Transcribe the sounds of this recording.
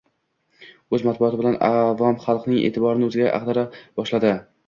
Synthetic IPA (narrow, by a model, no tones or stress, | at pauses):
ɵzmat̪̚bʊɒt̪ʰɪbɪlanavɒmχɑlˠqnɪŋʔḛt̪ʰɪbɒɾɪnɪɵzɪɡʲa̰ʔa̰qd̪aɾabɒʃlad̪ɪ